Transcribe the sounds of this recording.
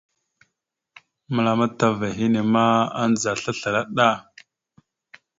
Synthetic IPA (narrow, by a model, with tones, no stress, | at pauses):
mə˨la˨ma˦ta˦va˨ɦi˦ne˨ma˦a̰˦nd͡za˨ɬa˦ɬa˨ɾa˦ɗa˦˨